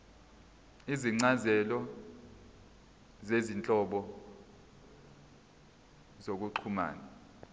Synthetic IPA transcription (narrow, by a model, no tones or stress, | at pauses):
iziŋ͡ǀazɛlɔ | zezint͡ɬʼɔɓɔ | zok̬uǃʰuma̰ːna